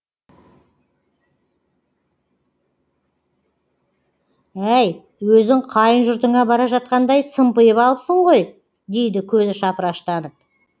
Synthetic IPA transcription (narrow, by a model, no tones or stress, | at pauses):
æj | wɵzɪŋqʰɑjənʒʊɾt̪əɴɑbɑɾɑʒɑt̪̚qɑnd̪ɑjsəmpəjəpɑlˠəpsəɴʁo̞j | d̪e̞jd̪ɪkʲʰɵzɪʃɑpəɾɑʃt̪ɑnəp̚